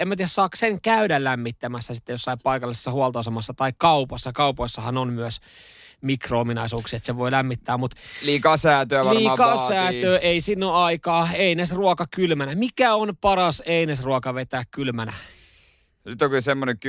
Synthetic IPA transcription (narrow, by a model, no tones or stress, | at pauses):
emːæt̪iːæssɑːkseŋkæydællæmːit̪ːæmæsːæsit̪ːejosːɑipɑikɑlːise̥sːɑhuolt̪oosemːɑsːɑt̪ɑikkɑupɑsːɑkɑupoisːɑhɑnonmyøs | mikroominɑisuːksiet̪seʋoilæmːit̪ːæːmmut̪liːkɑːsæːt̪øæʋɑliːkɑsæːtøːʔeisinːoɑikɑːeinesruokɑkylmænæmikæonpɑrɑseinesruokɑʋet̪æːkkylmænæ | nyt̪ːokisemːoneŋk